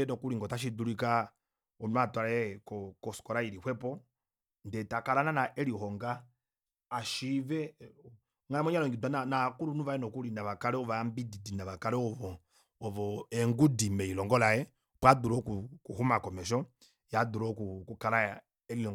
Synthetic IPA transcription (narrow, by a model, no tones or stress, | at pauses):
ɛnɔkuliŋɡɔtaʃ̬iduɾika | ɔnwatwalɛkɔkɔsɔ̥kɔɾaiɾihwɛpɔ | ndɛtakalananaʔɛlihɔŋɡaː | ʃivɛ | ŋamɔɲalɔŋɡidananakuɾunuvaɛnɔkulinaβakaɾɛɔvambididinaβakaɾɛɔvɔː | vɔɛŋɡudimɛilɔŋɡɔlajɛ | kwaduɾɔkukuhumakɔmɛʃɔ | jaduɾɔkukukala | ɛlilɔŋ